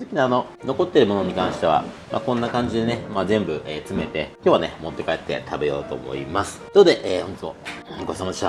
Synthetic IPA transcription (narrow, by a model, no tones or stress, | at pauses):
sɨkʲinaːno̞ | no̞ko̞t̪ːe̞ɾɯ̟mo̞no̞ɲ̟ikãɰ̃ɕi̥t̪e̞βa̰ | mʔa̰kõ̞nːakãɲ̟d͡ʑid̪e̞nemazẽ̞mbɯ̟ʔet͡sɨme̞t̪e̞kʲo̞ːβane̞mo̞t̪ːe̞kaet̪ːe̞̰t̪ʰabe̞jo̞̰ːt̪o̞̰ːmo̞̰ḭmasɨ̥d̪ood̪e̞ʔeːhoɲitmo̞̰ɡo̞ɕi̥samad̪eɕt̪a